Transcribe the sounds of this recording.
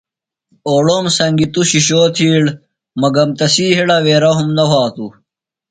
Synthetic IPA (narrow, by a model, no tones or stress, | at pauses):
oːɽomsɐŋɡit̪uɕiɕoːt̪ʰiːɽ | mɐɡɐmt̪ɐsiːɦiɽɐʋeːɾɐɦumnɐwaːt̪u